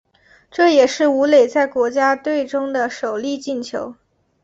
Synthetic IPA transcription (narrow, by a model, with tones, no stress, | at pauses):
ʈ͡ʂɤ˥˩jɛ˨˩ʂɻ̩˥˩u˧˥le˨˩ɪt͡sa˥˩ɪkwɔ˧˥t͡ɕja˥t̪we˥˩ɪʈ͡ʂʊ˥ŋd̪ə˨ʂo˨˩ʊli˥˧t͡ɕi˥˩nt͡ɕʰjo˧˥ʊ